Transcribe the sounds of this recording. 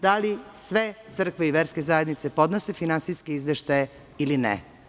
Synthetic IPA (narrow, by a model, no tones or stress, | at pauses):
d̪alisʋe̞t̪sɨr̩kʋeiʋeɾske̞zajed̪nit̪se̞po̞d̪no̞se̞finansijskeizʋeʃt̪aje | ilinḛ